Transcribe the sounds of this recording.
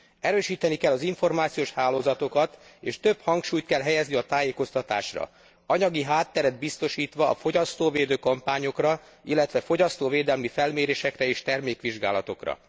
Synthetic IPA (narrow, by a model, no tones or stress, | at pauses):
ɛɾøːʃiːt̪ɛnikɛlːɒziɱfo̞rmaːt̪sijoːʃhaːloːzɒt̪o̞kɒt̪eːʃt̪ø̞bhɒŋkʃuːjt̪kɛlɦɛjɛzniɒt̪aːjeːko̞st̪ɒt̪a̰ːʃrɒ̰ | ɒɲɒɡiɦaːt̪ːɛɾɛd̪̚bist̪o̞ʃiːt̪ʋɒːfo̞ɟɒst̪oːveːd̪øːkɒmpaːɲo̞krɒ | ilːɛt̪ʋɛfo̞ɟɒst̪oːveːd̪ɛlmifɛlmeːɾeːʃɛkrɛeːʃt̪ɛrmeːkʋiʒɡa̰ːlɒt̪o̞krɒ̰